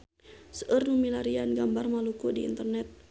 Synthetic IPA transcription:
səʔərnumilaɾianɡambarmalukudḭːnt̪ərnɛt̪̚

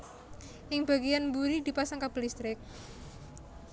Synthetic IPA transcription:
ʔɪŋb̥a̤ɡijanmbuɾid̪̥i̤pasaŋkab̥ə̤list̪ɾɪk̚

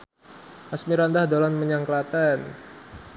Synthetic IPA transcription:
ʔasmiɾand̪ahd̪olanməɲaŋklat̪ɛn

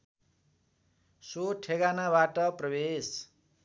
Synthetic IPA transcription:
soʈʰeɡanaβaʈʌprʌbes

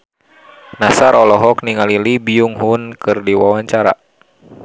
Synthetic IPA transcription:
nasaɾɔlɔɦɔkniŋalilibiuŋɦunkɨrdiwawaɲt͡ʃaɾa̰

